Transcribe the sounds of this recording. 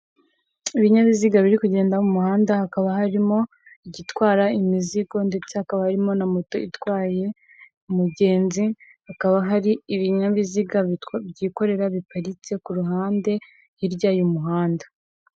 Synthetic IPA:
iβiɲaβiziɡaβiɾikuɟe̞ːndamumuhaːndahakaβahaɾimo̞ | iɟitwaːɾaimiziɡo̞nde̞t͡se̞hakaβahaɾimo̞namoto̞itwaːje̞ | muɟe̞ːnzi | hakaβaɦaɾiiβiɲaβiziɡabɟiːko̞ɾe̞ɾaβipaɾit͡se̞kuɾuɦaːnde̞ | jiɾɟaːjumuɦaːndḁ

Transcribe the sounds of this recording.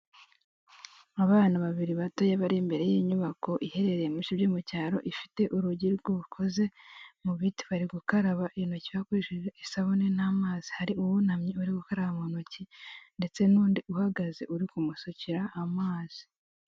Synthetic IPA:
aβaːnaβaβiɾiβato̞jaβaɾimbe̞ɾe̞jiːɲuβako̞ʔihe̞ɾe̞ɾejemuʃibjoːmucaːɾo̞̰ʔifi̥te̞ʔuɾuɟiɾɡoukʰo̞ze̞muβiti̥βaɾiɡukaɾaβaʔinocijakwiːʒuɾoisaβone̞namaːz̥i̥haɾiuwunhamɲiuɾiɡukaɾaβamonocinde̞t͡se̞nuːndiuhaɡaze̞ʔuɾikumusociɾaʔːmaːz̥i̥

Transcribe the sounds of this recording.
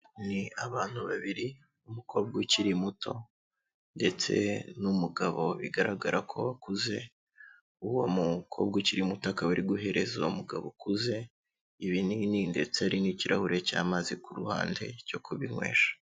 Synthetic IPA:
niaβaːn̥huβaβiɾi | umukʰo̞b̚ɡiciɾimutʰo̞ | nde̞t͡se̞̰numuɡaβo̞βiɡaɾaɡaɾakʰo̞̰βakuze̞ | uwomukʰo̞b̚ɡiciɾimutakawuɾiɡuɦe̞ɾezaumuɡa̰βokuze̞ | iβinininde̞t͡seaɾiniciɾʔahuɾe̞ca̰ːmaːzikuɾuha̰ːnde̞co̞kʰuβiŋwe̞̰ːʃḁ

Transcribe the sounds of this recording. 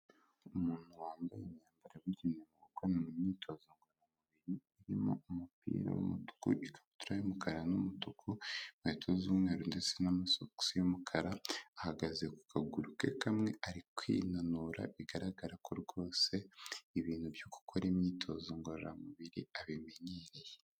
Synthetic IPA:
umuːn̥huwaːmbajemɲaːmbaɾaβiɟinemuβokonaŋimɲiːtʰo̞zoŋɡoɾamuuβiɾiiɾimo̞̰umupʰḭːɾa̰wṵmutu̥kuʔikʰḁβutuɾajomukaɾanumutukʰumetʰozumŋe̞ːɾondet͡se̞namasoku̥sijomukʰaɾaːhaɡazeku̥kaɡuɾuke̞̰kamŋe̞ʔaɾikwḭːnanuːɾa̰βiɡaɾaɡaɾakʰoɾɡo̞ːse̞iβiːn̥hubjoku̥kʰoɾemɲiːtʰo̞zoŋɡoɾɾa̰muβiɾḭaβimeɲeɾe̞je

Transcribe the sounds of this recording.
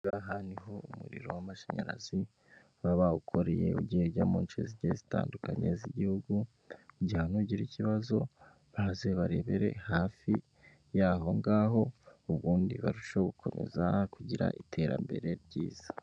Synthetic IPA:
ŋɡaɦaniɦoumuɾḭɾo̞̰wamaʃaɲaɾa̰zi | βaβaukʰo̞ɾe̞je̞uɟiheɟaːmoːnt͡ʃeziɟezita̰ːndukaɲe̞ziɟihuɡu | ɟihanuɟiɾiciβazo̞ | βazeβaɾe̞βe̞ɾe̞̰haːfi | jaːɦo̞ŋɡaːɦo̞uβɡuːndiβaɾuʃoɡukʰo̞me̞̰zakuɟiɾa̰ʔitʰe̞ɾa̰mbe̞̰ɾe̞ɾɟiːz̥ḁ

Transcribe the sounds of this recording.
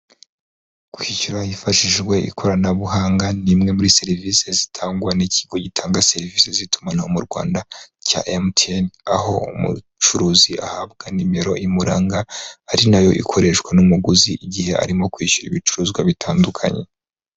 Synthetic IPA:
kwicuɾahifaʃiʒɡwe̞ʔḭkʰo̞ɾanaβuhaːŋɡanimŋe̞muɾise̞ɾiviːse̞zitʰaːŋɡwaniciɡo̞ɟitʰaːŋɡase̞ɾiviːsezitu̥manahomuɾɡwa̰ːndaca̰ʔemtʰenaho̞umṵ | t͡ʃuɾuːzia̰hab̚ɡanimeɾo̞̰ʔimuɾaːŋɡaːɾinajo̞ʔḭkʰo̞ɾe̞ʃwanumuɡuziʔiɟihe̞ʔa̰ɾimo̞kwiːʃuɾiβit͡ʃu̥ɾuːzɡwaβitʰaːndukʰa̰ɲe̞̰

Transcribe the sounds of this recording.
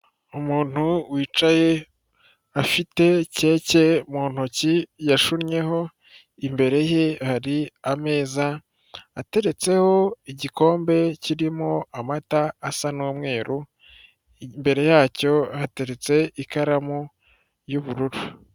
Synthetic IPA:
umuːn̥huwiːt͡ʃaje̞ | afite̞ce̞ːce̞muːn̥hucijaʃuɾɲe̞ho̞ | imbe̞ɾe̞jehaɾiame̞ːzaː | te̞ɾe̞t͡se̞ho̞iɟiko̞ːmbe̞ciɾimoamataːsanoːmŋe̞ːɾu | mbe̞ɾe̞jaːco̞hate̞ɾe̞t͡se̞ikaɾamu | juβuɾuɾu

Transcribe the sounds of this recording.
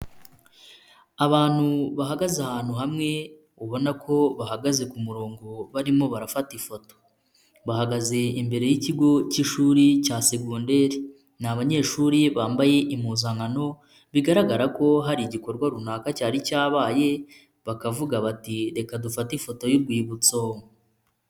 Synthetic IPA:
aβaːn̥huβaɦaɡazahaːn̥huɦamŋe̞ | uβo̞nakʰo̞βaɦaɡaze̞kumuɾo̞ːŋɡo̞βaɾimo̞βaɾafatifo̞to̞̥ | βahaɡaze̞imbe̞ɾe̞jiciɡo̞ciʃuːɾicaːse̞ɡunde̞ɾi | naβaɲe̞ʃuːɾiβaːmbaje̞ʔimuzaŋano̞ | βiɡaɾaɡaɾako̞ɦaɾiɟiko̞ɾɡwaɾunaːkacaːɾicaːβaːje̞ | βakavuɡaβatiɾe̞kadufatifo̞to̞juɾɡwiːβut͡so

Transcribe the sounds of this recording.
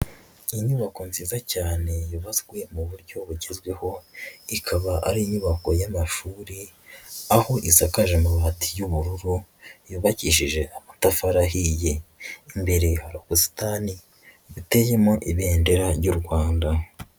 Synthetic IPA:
iɲuβako̞nziːzacaːne̞juβazɡwe̞muβuɾɟo̞βuɟe̞zɡwe̞ho̞ikʰaβaʔaɾiɲuβako̞jamaʃuːɾi | aho̞ʔisakaʒemuβatʰijuβuɾuɾujuβaciʃiʒe̞amatafaɾaɦije̞imbe̞ɾehaɾoɡusi̥tani | βite̞jemoʔiβeːndeɾaɾɟuɾɡwaːnda

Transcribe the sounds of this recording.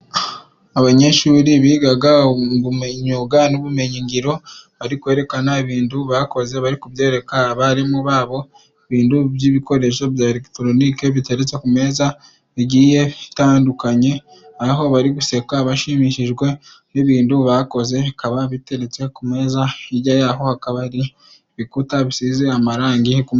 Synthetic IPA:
aβaɲe̞ʃuːɾiβiːɡaɡaŋβumeɲuɡanuβume̞ɲiŋɡiɾo̞βaɾikwe̞ːɾe̞kanaβiːnduβako̞ze̞βaɾikuβje̞ːɾe̞kaβaɾimuβaːβo̞ | eβiːnduβjiβiko̞ɾe̞ʃo̞βjaɾekitoɾoniːke̞βite̞ɾet͡se̞kume̞ːza | iɟiːje̞βitaːndukaɲe̞ | aɦo̞βaɾiɡuse̞kaβaʃimiʃiʒɡwe̞ | niβiːnduβako̞ze̞kaβaβite̞ɾe̞t͡se̞kume̞ːzaiɟajaɦo̞hakaβaɾi | βikutaβisizeamaɾaːŋɡikum

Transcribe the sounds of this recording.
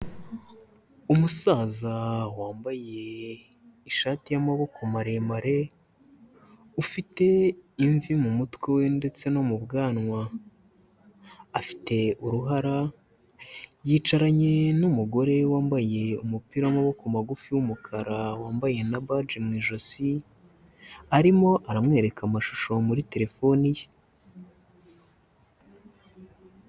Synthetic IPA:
umusaːzawaːmbaje̞ | iʃaːtijamaβo̞komaɾe̞maɾe̞ | ufite̞iɱvimumutwewe̞nde̞t͡se̞no̞mubɡaːnŋwa | fi̥te̞uɾuɦaɾa | jiːt͡ʃaɾaɲe̞numuɡo̞ɾe̞waːmbaje̞umupiɾamoβokumaɡufiwumukʰaɾawaːmbaje̞nabad͡ʒimŋiːʒo̞si | aɾimo̞ʔaɾamŋe̞ːɾe̞kʰamaʃu̥ʃo̞muɾite̞ɾe̞fo̞nije

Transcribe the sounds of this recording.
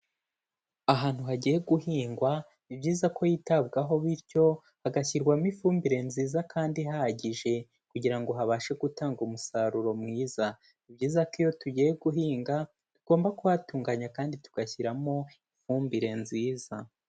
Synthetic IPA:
aɦaːn̥huɦaɟiːje̞ɡuhiːŋɡwa | ibɟiːzako̞jitabɡaɦo̞βiɾco̞ | haɡaçiɾɡwamifuːmbiɾe̞nziːzakʰaːndiɦaɟiʒe̞ | kuɟiɾaŋɡo̞ɦaβaːʃe̞ɡutaːŋɡumusaɾuɾo̞mŋiːza | ibɟiːzakijo̞tuɟijeɡuɦiːŋɡa | tuɡ̥o̞ːmbakuwatuːŋɡaɲakaːndituɡ̥açiɾamo̞ifuːmbiɾe̞nziːza

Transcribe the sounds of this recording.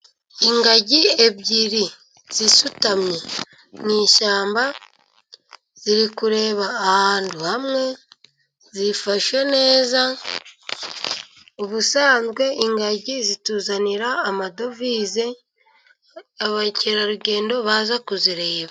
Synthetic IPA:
iŋɡaɟie̞bɟiɾi | z̥isutamɲe | niːʃaːmba | z̥iɾikuɾe̞ːβaːhaːnduhamŋe̞ | zifaʃwe̞ne̞ːza | uβusaːnzɡwe̞iŋɡaɟizituːzaniɾaːmado̞viːze̞ | aβaceɾaɾuɟe̞ːndo̞βaːzakuziɾe̞ːβa

